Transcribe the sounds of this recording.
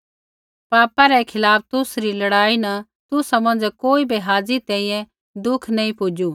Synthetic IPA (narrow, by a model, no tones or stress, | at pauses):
paːpaɾɛkʰɪlaːp̚ʰt̪ʊsɾilɐɽaːinɐ | t̪ʊsamɐ̃nd͡ʒɛkoːibiɦaːd͡zit̪ɛ̃ːĩjɛ̃ | d̪ʊkʰnɐĩpʊd͡ʒuː